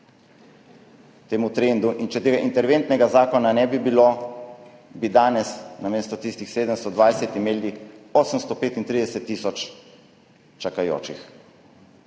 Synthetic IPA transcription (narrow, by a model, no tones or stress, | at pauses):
t̪eːmut̪ɾeːnd̪uʔint͡ʃɛt̪eːɡaʔint̪ɛɾʋent̪nɛɡazaːkɔnanɛbibilo | bid̪aːnɛsnameːst̪ɔt̪ist̪ixseːd̪əmst̪ɔd̪ʋajsɛt̪imeːlioːsəmst̪ɔpeːt̪int̪ɾid̪ɛsɛt̪ːisɔt͡ʃ | t͡ʃakajo̰ːt͡ʃix